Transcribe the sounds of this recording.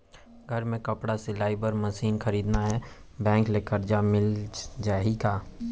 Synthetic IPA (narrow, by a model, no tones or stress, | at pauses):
ɡʱɐɾmẽkɐpɽaselaːibəɾmɐsiːnxɐɾiːd̪naɦɛbɛ̃ːŋklekəɾd͡ʒamɪld͡ʒaːikaː